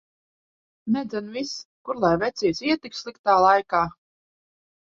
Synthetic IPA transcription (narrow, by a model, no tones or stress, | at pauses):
nɛd̪zɛnviskuɾlˠajvɛt̪sʲiɛsiɛt̪ikslˠikt̪aːlˠajkaː